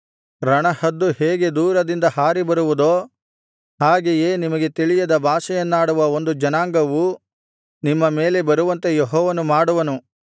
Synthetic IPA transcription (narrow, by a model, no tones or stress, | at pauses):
ɾɐɳɐhɐd̪ːuheːɡe̞d̪uːɾɐd̪ind̪ɐhaːɾibɐɾuʋud̪oː | ɦaːɡejeːnimɐɡe̞t̪iɭijɐd̪ɐbʱaːʃɐjɐnːaːɽuʋɐo̞nd̪ud͡ʒɐnaːŋɡɐʋu | nimːɐmeːle̞bɐɾuʋɐnt̪e̞jeɦɔːʋɐnumaːɽuʋɐnu